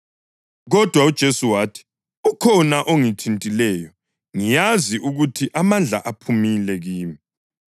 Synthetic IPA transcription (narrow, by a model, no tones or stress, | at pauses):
ɣɔd̥ʱwaud̥ʒ̥ʱesuwaːtʰi̥ | ukʰɔnaʔoŋitʰintʼilɛːjɔ | ŋijaziʔuɣutʰiʔamand͡ɮʱa̰ʔapʰumilɛɣiːmi